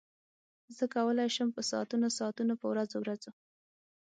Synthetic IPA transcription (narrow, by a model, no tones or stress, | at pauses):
zəkawəlajʃəmpəsɑ̰t̪unosɑːt̪unopəwɾazowɾazo